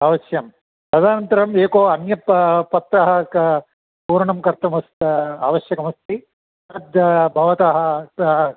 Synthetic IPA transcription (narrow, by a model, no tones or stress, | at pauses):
aʋɐʃjɐm | pɾɐd̪ʱaːnɐnt̪ɐɾɐmeːkoːɐnjɐppːɐt̪ːaːɦɐ | puːɾɐɳɐmkɐɾt̪ʰɐmɐst̪aːʋɐʃjɐkɐmɐst̪i | ɐd̪bʱɐʋɐt̪aːɦɐ̆